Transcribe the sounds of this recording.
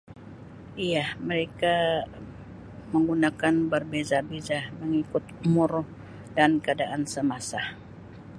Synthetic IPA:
ijahməɾeka | məŋɡunakanbərbezabezahməŋikʊt̪̚umurh | dankəadaʔansəmasa

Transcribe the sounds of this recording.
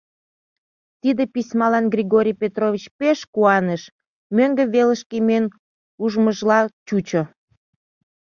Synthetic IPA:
t̪id̪episʲmɑlɑnɡrʲiɣoɾʲijpʲet̪rovʲit͡ɕpeʃkuɑneʃ | møŋɡəβeləʃkemen | uʒməʒlɑt͡ɕut͡ɕo

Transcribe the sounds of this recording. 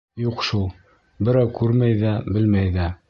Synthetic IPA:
juqʃulˠ | bɘ̆ɾæwkʉɾmæjðæbɘ̆lmæjðæ

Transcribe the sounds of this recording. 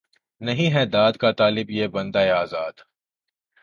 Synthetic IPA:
nɐɦĩɦɛd̪aːd̪kat̪aːlɪbjebɐ̃nd̪aːeaːzaːd̪̥

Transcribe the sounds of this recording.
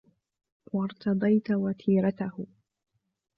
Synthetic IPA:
wɑɾˤt̪ɑd̪ˤɑjt̪wat̪ʰiːɾat̪ahʊ

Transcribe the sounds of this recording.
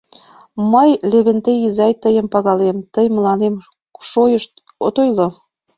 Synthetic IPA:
məjleβent̪eizɑjt̪əjə̆mpɑɣɑlemt̪əjməlɑnem | ʃojəʃt̪̚ | ot̪ojlo

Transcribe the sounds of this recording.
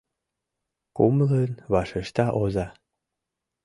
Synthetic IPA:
kumələnβɑʃeʃt̪ɑʔozɑ

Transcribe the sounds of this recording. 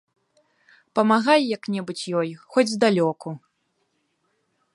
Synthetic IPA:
pɐmaɣajjɐknʲɛbut͡sʲjɔjxɔd͡zʲzd̪alʲɔku

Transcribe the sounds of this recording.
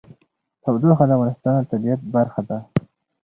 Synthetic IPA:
t̪ʰawd̪oxad̪əavɣɑnɪst̪ɑnt̪abijat̪̚baɾxad̪a

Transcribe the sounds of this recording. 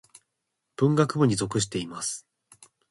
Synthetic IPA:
b̥ɯ̟̃ŋɡakɯ̟boɲ̟izo̞kɯ̟ɕ̬i̥t̪e̞imasɨ̥

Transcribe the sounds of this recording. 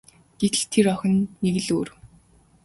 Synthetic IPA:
ɡ̥et̪ɘ̆ɮt̪ʰeɾɔxʲɞ̆nːeɣɘ̆ɮoːr

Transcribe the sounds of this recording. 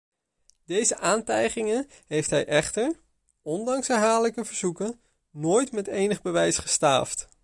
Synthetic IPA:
d̥ejzəʔaːntɛjχɪŋən | ɦejftɦɛjʔɛχtəɹ | ɔndɑŋsɛɹɦaːləkəvəɹzukən | noːjtmɛtejnəχbəʋɛjsχəsta̰ːft

